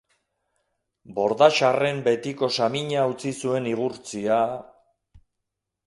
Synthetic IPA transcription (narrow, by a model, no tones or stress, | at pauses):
bo̞ɾðaʃare̞mbe̞t̪iko̞samiɲaut͡sisue̞niɣuɾt͡sia